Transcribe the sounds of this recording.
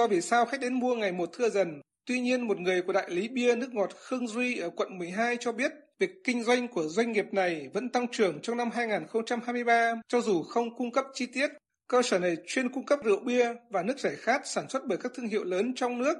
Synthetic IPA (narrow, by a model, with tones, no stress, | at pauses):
ɔ˧jvi˨˩saː˧wxa˦˥k̚ɗe˨˦nmu˧əŋa˨˩jmo˨˩t̚t̪ʰɨ˧əzə˨˩n | t̪wi˧ɲi˧ənmo˨˩t̚ŋɨ˨˩əjku˧˩ɗa̰ː˧˨jli˨˦ɓi˧ənɨ˦˥ək̚ŋɔ˨˩t̚xɨ˧ŋzwi˧ʔəː˧˩kwə̰˧˨nmɨ˨˩əjɦaː˧jt͡ɕɔ˧ɓi˦˥ət̚vi˨˩əkːï˧ŋ̟zwa˧jŋ̟ku˧˩əzwa˧jŋ̟ŋi˨˩əp̚na˨˩jvə̰˧˥nt̪a˧ŋt͡ɕɨ˨˩əŋt͡ɕɔ˧wŋ͡mna˧mɦaː˧jŋaː˨˩nxə˧wŋ͡mt͡ɕa˧mhaː˧jm˧jɓaː˧t͡ɕɔ˧zu˨˩xə˧wŋ͡mkʊ˧ŋ͡mkə˦˥p̚t͡ɕi˧t̪i˦˥ət̚ | kəː˧səː˧˩na˨˩jt͡ɕwi˧ənkʊ˧ŋ͡mkə˦˥p̚zɨ̰˧˨əwɓi˧əvaː˨˩nɨ˦˥ək̚zɛ˧˩xaː˦˥k̚saː˧˩nswə˦˥t̚ɓəː˧˩kaː˦˥k̚t̪ʰəŋɦḭ˧˨wləː˨˦nt͡ɕɔ˧wŋ͡mnɨ˦˥ək̚